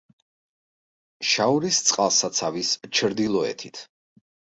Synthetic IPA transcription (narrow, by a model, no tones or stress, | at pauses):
ʃauɾist̪sʼqʼalˠsat̪sʰavist͡ʃʰɾd̪ilˠɔɛ̰t̪ʰit̪ʰ